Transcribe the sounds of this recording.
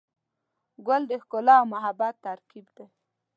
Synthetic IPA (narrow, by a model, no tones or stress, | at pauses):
ɡald̪əhkʊlɑːwmaɦabat̪ːaɾkibd̪ej